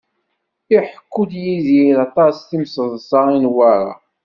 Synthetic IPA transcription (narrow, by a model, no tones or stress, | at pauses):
iħə̥kːud̪jizilɑt̪ˤɑsθimsəðˤsɑinwaɾˤa̰